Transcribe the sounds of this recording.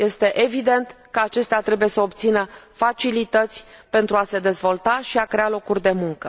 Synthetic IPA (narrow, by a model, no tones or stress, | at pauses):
je̞st̪e̞ʔevid̪e̞nt̪kəat͡ʃe̞st̪eat̪ɾe̞buje̞səobt̪sinəfat͡ʃilit̪ət̪sʲpe̞nt̪ɾuase̞d̪e̞zvo̞lt̪aʃiakɾe̞alo̞kurʲd̪e̞muŋkə